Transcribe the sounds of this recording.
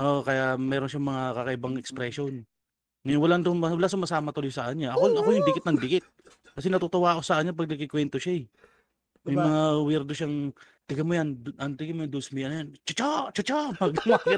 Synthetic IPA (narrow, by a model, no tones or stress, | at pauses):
ʔoʔkɐjamɛːɾonʃaŋmɐŋakɐkɐʔɪbɐŋɛkspɾɛʃon | ŋɐjʊwɐland̪oŋmɐwɐlasʊmɐsaːmɐt̪olojsɐʔɐɲɲaʔɐkoɐkojʊŋd̪ɪkɪt̪nɐŋd̪ɪkɪt̪̚ | kɐs̬ɛnɐt̪ot̪owaːʔosɐʔɐɲɲapɐɡ̚nɐkɪkwɛnt̪oʃaɛ | mɐjmɐŋawɛɾd̪oʃaŋ | t̪ɪɡɐmojand̪ʔɐnt̪ɪɡamojad̪osmijɐnjant͡ʃɐt͡ʃot͡ʃɐt͡ʃopɐɡlɐmaka